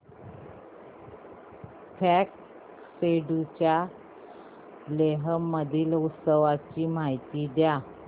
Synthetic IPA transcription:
fʰɛk | seɖut͡ɕja | leɦəməd̪ʱiːlut̪səʋat͡ɕiːmajt̪iːd̪ja

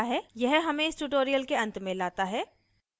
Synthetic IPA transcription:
ɦɛːjɛɦɦɐmẽɪsʈuːʈoːɾijəlkeɐ̃nt̪mẽlaːt̪aɦɛː

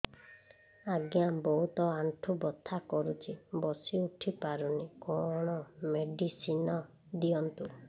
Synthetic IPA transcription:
aɡjabɔɦut̪ɔanʈʰubɔt̪ʰːakɔɾut͡ʃʰibɔsiuʈʰipaɾunikɔɽ̃ɔmeɖisinɔ | d̪iɔnt̪u

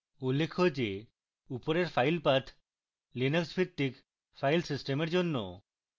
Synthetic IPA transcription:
ulːekʰod͡ʒe | upoɾeɾfʰajlpat̪ʰ | linəksbʰit̪ːik | fʰajlsisʈemeɾd͡ʒonːo̰

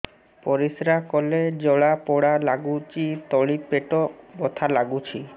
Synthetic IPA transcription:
pɔɾisɾakɔled͡ʒɔɭapɔɽalaɡut͡ʃit̪ɔɭipeʈɔbɔt̪ʰalaɡut͡ʃʰi

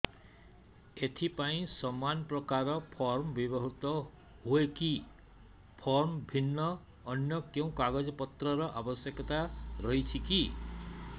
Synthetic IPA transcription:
et̪ʰipaĩsɔmanpɾɔkaɾɔpʰɔɾmbibɔɦut̪ɔ | ɦueki | pʰɔɾmbʱinːɔː | njɔkew̃kaɡɔd͡ʒɔpɔt̪ɾɔɾɔʔabɔsjekɔt̪aɾɔɦjt͡ʃʰiki

